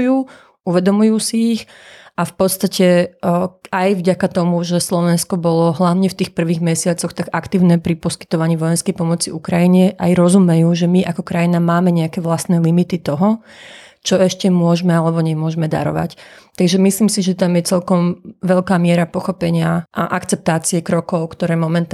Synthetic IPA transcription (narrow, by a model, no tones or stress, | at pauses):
juː | uʋɛd̪ɔmujuːsiːx | afpɔt̪st̪acɛ | ajvɟakat̪ɔmuʒɛslɔʋɛnskɔbɔlɔɦlaʊɲɛft̪iːxpr̩ʋiːɣmɛsɪat͡sɔxt̪aɡakt̪iːʊnɛpɾipɔski̥t̪ɔʋaɲiːʋɔjɛnskɛjpɔmɔt͡siukɾajiɲɛʔajɾɔzumɛjuːʒɛmiʔakɔkɾajinamaːmɛɲɛakɛːʋlast̪nɛːlimit̪it̪ɔɦɔ | t͡ʃɔɛʃcɛmʊɔʒmɛalɛbɔɲɛmʊɔʒmɛd̪a̰ɾɔ̰ʋa̰ct̪aɡʒɛmisliːmsiʒɛt̪amjɛt͡sɛlkɔmʋɛʎkaːmɪɛɾapɔxɔpɛɲɪaʔaʔakt͡sɛp̚t̪aːt͡siɛkɾɔkɔʊkt̪ɔɾɛːmɔmɛnt̪